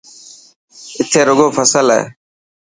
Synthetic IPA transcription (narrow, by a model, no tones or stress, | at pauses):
ɪt̪ʰeːɾʊɡoːpʰəsəlɦḛː